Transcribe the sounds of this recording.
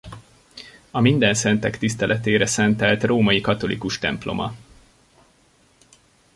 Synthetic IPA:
ɒmind̪ɛnsɛnt̪ɛkt̪ist̪ɛlʔɛt̪eːɾɛsɛnt̪ɛlt̪roːmɒjikɒt̪o̞lʔḭkuʃt̪ɛmplo̞̰mʔɒ̰

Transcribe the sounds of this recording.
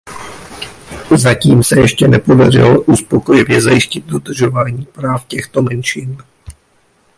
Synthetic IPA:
zaciːmsɛjɛʃcɛnɛpo̞dar̝ɪ̰loʔuspo̞kojɪvjɛzajɪscɪd̪̚do̞dr̩ʒo̞vaːɲiːpɾaːfcɛxt̪o̞mɛnʃɪn

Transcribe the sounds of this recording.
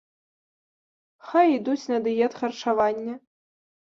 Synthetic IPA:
xajid̪ut͡sʲnɐd̪ɨjɛt̪xɐrt͡ʂavanʲːɐ

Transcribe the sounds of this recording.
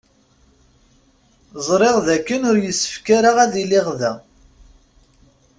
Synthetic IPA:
zˤɾˤeʁðækːənʊɾjəsːə̥fkaɾaʁæðilɪʁðæ

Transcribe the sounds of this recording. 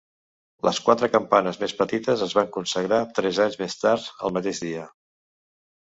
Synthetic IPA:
lʔə̰skwat̪ɾəkəmpanəzmespət̪it̪əzəzβaŋkunsəɣɾat̪ɾɛzaɲzmest̪aɾt̪ə̰lˠmət̪eʒðiə

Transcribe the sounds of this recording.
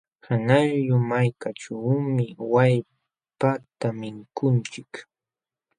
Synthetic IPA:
hanaʎjʊmajkaʈ͡ʂawmɪwaj | pat̪amɪŋkʊnt͡ʃɪk

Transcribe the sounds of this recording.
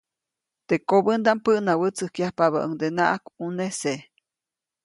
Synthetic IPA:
t̪ekobənd̪aʔmpəʔnawət͡sɨhkjahpaβa̰ʔəŋd̪enaʔakunese

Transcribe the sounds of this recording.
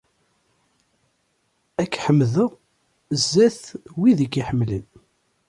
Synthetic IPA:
ækːħəmːðəʁ | əzːæθwiðəɡiħəmːlən

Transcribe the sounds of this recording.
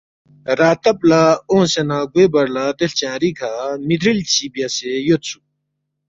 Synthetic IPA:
rat̪ap̚laoŋsenaɡweparlat̪elt͡ɕãɾikʰamid̪ɾilt͡ɕipjasejot̪̚t͡sʰu

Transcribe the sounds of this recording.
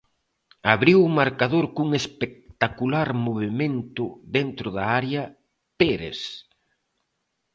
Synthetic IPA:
aβɾiwʊmaɾkaðoɾkuŋespek̚t̪akulaɾmoβemẽnt̪ʊðent̪ɾʊðaaɾjɐ | peɾḛs

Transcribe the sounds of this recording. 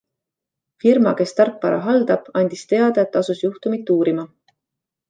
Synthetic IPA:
firmɑ̰ke̞st̪ɑrpːɑɾɑ̰ɦɑld̪̥ɑb̥ɑnʲd̪̥ist̪e̞ɑd̪̥ɑet̪ːˑɑsusjuht̪umit̪ːuːɾimɑ

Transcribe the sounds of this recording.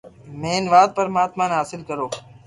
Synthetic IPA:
meːnʋaːd̪̚pəɾmaːt̪maːnɦaːsɪlkəɾoː

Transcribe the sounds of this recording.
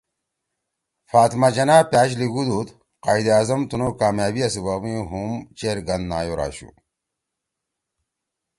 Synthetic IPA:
faːt̪mad͡ʑɐnaːpjaːɕ̬liɡud̪ut̪ | qaːid̪iaːzɐmt̪unoːkaːmjaːbiɐsiwawĩɦumt͡ɕeɾɡɐnd̪naːjoɾa̰ːɕṵ

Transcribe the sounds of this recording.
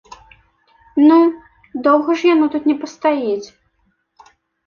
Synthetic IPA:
nu | d̪ɔwɣɐʐjanɔt̪ut̪nʲɛpɐst̪ajɛt͡sʲ

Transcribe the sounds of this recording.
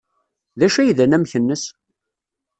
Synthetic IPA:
ðæʃæjðænæmçənːəs

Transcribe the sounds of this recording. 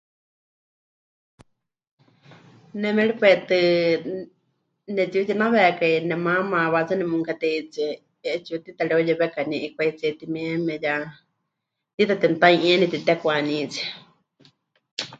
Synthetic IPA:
nɛ̃mɛ̃ɺipɛt̪ɨ | nɛt̪ut̪inãβɛkainɛ̃mãmãβat͡sɨnɛmũŋkat̪ɛit͡sɛ | ɛt͡ʃut̪it̪aɺɛojɛβɛkanĩʔikʷait͡sɛt̪imɛ̃mɛ̃ja | t̪it̪at̪ɛnt̪aĩɛnĩt̪it̪ɛkʷanĩt͡si

